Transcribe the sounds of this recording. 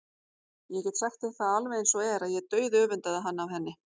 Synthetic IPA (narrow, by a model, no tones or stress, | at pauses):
jɛcɛt̪saxt̪ɛθaðalvejnsɔɛɾaðjɛt̪œːɥðœːvʏnt̪aðaɦanːaːwhɛnːɪ